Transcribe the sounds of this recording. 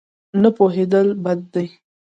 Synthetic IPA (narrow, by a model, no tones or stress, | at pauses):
napoɦed̪əlbad̪̚ːaj